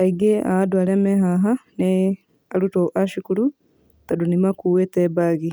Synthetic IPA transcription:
aiɡea̰adwaːlemeɦaɦane | alutoʔaʃikulu | tadunimakuweteβaɣi

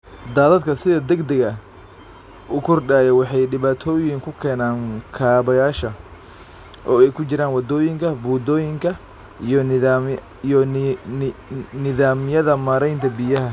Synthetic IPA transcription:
d̪aːðɐd̪kʰɐsɪðɐd̪ɛɡd̪ɛɣɐ | ukʰʊrɖaːjɛwɑħɑjɖɪβaːt̪ʰɔːjɪŋkʰʊkʰɛːnaːŋkʰaːβɐjaːʃɐ | ʔɔːɛjkʰʊt͡ʃɪɾaːnwɑd̪ɔːjɪŋkʰɐbuːd̪ɔːjɪŋkʰɐ | n | jɔ | nɪðaːmjɐðɐmaːɾɛjnt̪ʰɐbɪjɐɦɐ

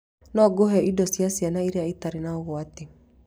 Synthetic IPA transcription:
nɔɡoɦɛʔidɔsiasianaiɾeaitaɾenaoɣɔate

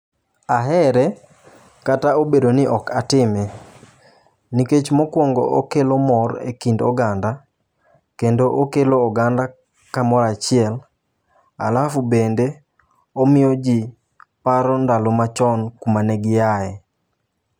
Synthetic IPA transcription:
aɦɛɾɛ | kataobedonɪʔɔkatɪmɛ | niket͡ʃmɔkwɔŋɡɔo̰kelomɔrḛkindɔ̰ɡanda | kendoʔokeloːɡanda | kamɔɾat͡ʃɪɛl | a̰lafubende | omɪjod͡ʒi | paɾɔndalomat͡ʃɔnkumanɛɡɪjaɛ

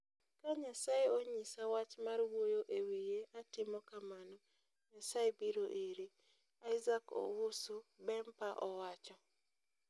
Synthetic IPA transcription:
kaɲasaeoɲisawat͡ʃmarwojoʔewijeatɪmɔkamanɔ | ɲasaebiɾoʔeɾi | aɪzakɔ̰wʊsubɛmpaʔɔwat͡ʃɔ

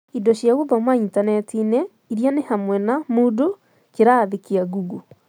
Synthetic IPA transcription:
idɔʃjaɣoðamwaintanɛtinɛ | iɾjanehamwɛnamudo | keɾaːðekiaɡuɡu

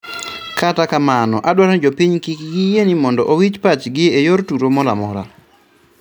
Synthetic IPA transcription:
katakamanɔʔadwaɾd͡ʒopiɲkikɡijenimɔndɔʔowit͡ʃpat͡ʃɡɪejortuɾomɔla̰mɔ̰ɾa̰

